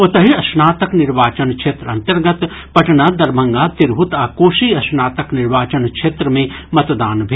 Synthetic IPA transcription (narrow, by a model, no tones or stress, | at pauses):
ot̪ɐɦiɐsnaːt̪əknɪɾʋaːt͡ʃənkʃʰeːt̪ɾɐ̃nt̪ɐɾɡɐt̪ | pɐʈnaːd̪ɐɾmʱɐ̃ŋɡaːt̪ɪɾbʱut̪aːkoːʃiːɐsnaːt̪ɐknɪɾʋaːt͡ʃənkʃeːt̪ɾəmẽmɐt̪d̪aːnbʱe